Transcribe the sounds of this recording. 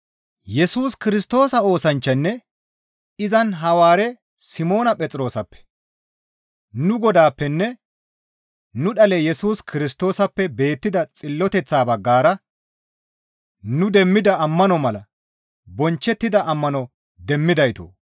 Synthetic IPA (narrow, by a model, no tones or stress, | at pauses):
jɛsuːskɪɾɪs̬t̪o̞ːsɐo̞ːsɐnt͡ʃːɐnːɛ | ɪzɐnɦɐwaːɾɛ | sɪmo̞ːnɐpʼɛt͡sʼɾo̞ːsɐpːɛ̥ | nʊɡɔd̪aːpːɛnːɛ | nʊɗɐlɛjɛsuːskʰɪɾɪs̬t̪o̞ːsɐpːɛbe̞ːt̪ːɪd̪ɐt͡sʼɪlːɔt̪ɛt͡sːaːbɐɡːaːɾɐ | nʊd̪ɛmːɪd̪ɐːmːɐnɔmɐlɐ | bɔnt͡ʃːɛt̪ːɪd̪ɐʔɐmːɐnɔ | d̪ɛmːɪd̪ɐjt̪o̰ː